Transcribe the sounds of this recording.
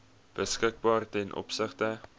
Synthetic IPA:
b̥əskək̚bɑːrtɛnʔɔ̰psəχtə

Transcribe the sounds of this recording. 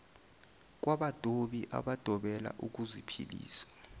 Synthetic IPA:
k̬waɓad̥ʼʱoɓiʔa̰ɓad̥ʱɔɓɛla̰ʔuk̬uzipʰḭlḭːsḁ

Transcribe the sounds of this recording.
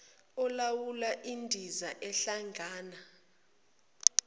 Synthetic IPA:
ɔlawulaʔindʱizaʔɛɬaŋʱaːna

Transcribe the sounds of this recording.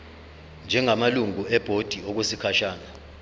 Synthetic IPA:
nd͡ʒʱɛŋamaluŋuɛb̥ʱod̥ʱiɔk̬wesikʰaʃaːna

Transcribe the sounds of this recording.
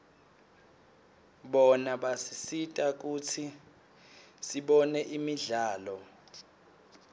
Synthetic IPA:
ɓɔnaɓasisitʼak̬utʰi | siɓɔnɛʔimiɮaːlɔ

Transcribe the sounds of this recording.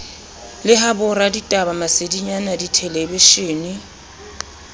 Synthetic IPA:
lɪɦabʊraditʼabamasediɲanaditʰɛlebeʃeːnɪ

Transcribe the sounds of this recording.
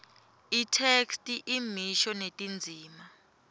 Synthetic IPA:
itʰekstʼiʔimiʃɔnetʼind͡zʱiːma

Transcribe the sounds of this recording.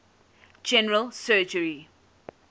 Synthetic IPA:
d͡ʒɛnəɹəlsɜːd͡ʒəɹi

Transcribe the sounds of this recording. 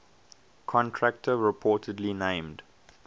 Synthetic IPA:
kʰɔ̃ntʰɹæk̚tʰəɹɪpʰɔːˑtʰədlinẽɪ̃md

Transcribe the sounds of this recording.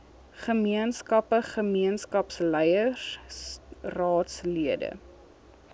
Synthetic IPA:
χəmiənskɐpəχəmiənskɐpslɛjə | rɑːtsliədə̰

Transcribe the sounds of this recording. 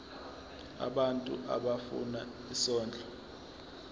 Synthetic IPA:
a̰ɓantʼuʔa̰ɓafṵna | isɔːnd͡ɮʱɔ

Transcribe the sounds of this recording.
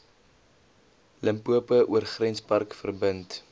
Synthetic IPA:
ləmpuəpəʔuərχrɛnspɐrkfərbənt

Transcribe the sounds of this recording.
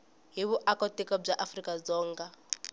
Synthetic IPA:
ɦiβuʔakɔtikɔb͡ʐaʔafrikad͡zɔːŋɡa

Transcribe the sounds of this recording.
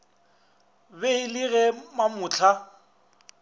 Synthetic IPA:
beɪlɪɣɛmamʊt͡ɬʰa

